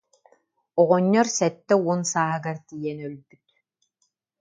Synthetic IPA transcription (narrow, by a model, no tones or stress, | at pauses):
ɔʁɔɲːɔɾsɛt̪ːɛuɔnsaːɦɯɡaɾt̪ijɛnœlbyt̪̚